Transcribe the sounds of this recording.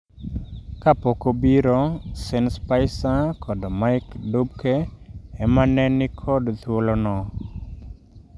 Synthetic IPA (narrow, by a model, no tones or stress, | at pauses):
kapokobiɾɔsenspaɪsakʰɔdɔmaɪkdubkɛɛmanɛnɪkʰɔdt̪wolonɔ